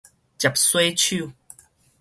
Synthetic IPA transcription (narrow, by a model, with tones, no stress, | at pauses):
t͡ɕa˨˩p̚swe˥˦t͡ɕʰu˥˨